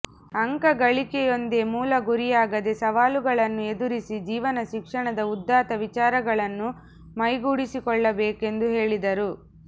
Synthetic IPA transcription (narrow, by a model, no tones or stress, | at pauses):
ɐŋkɐɡɐɭikɛjo̞nd̪emuːlɐɡuɾijaːɡɐd̪e̞sɐʋaːluɡɐɭɐnːue̞d̪uɾisid͡ʒiːʋɐnɐʃikʂɐɳɐd̪ɐud̪ːaːt̪ɐʋit͡ʃaːɾɐɡɐɭɐnːu | mɐjɡuːɽisikɔɭːɐbeːke̞nd̪uɦe̞ːɭid̪ɐɾu